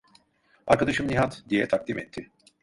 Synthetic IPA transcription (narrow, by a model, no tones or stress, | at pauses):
aɾkʰad̪aʃɯmniɦat̪d̪ijɛt̪ʰak̚d̪imɛt̪ʰːɪ